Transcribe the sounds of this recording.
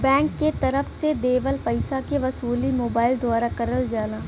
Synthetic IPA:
bɛ̃ːŋkːet̪ɐɾəfsed̪eːʋəlpɐɪsakeʋɐsuːlimoːbaːɪld̪ʱwaːɾakɐɾəld͡ʒaːlaː

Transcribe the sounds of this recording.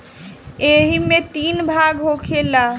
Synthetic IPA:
eɦimet̪inbʱaɡɦokʰela

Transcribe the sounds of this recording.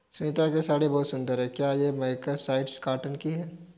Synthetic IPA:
sʊit̪akesaːɽebɔːt̪sʊ̃nd̪əɾɦɛːkjaːjemɐɪkasaːɪɖskaːʈənkiɦɛː

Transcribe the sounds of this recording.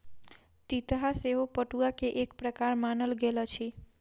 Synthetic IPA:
t̪it̪ɦaseʋopəʈuakeʔek̚pɾəkaɾmanəlɡelat͡ʃʰi

